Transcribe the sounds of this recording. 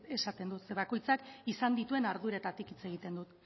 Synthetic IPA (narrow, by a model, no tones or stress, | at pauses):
e̞sat̪e̞nd̪ut̪se̞βako̞jt͡sakisand̪it̪ue̞naɾðuɾat̪at̪ikit͡se̞ɣ̞it̪e̞nd̪ut̪